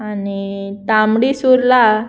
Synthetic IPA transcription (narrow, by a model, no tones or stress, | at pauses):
anit̪amɽisuɾla